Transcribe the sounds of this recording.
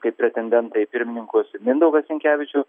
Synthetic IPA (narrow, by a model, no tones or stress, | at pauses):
kɐɪpʲɾʲɛt̪ʲɛnʲd̪ʲɛnt̪ɐɪpʲɪɾʲmʲɪnʲɪŋkoːsmʲɪnd̪ɐʊɡɐssʲɛŋʲkʲæːʋʲɪt͡ʃʲʊ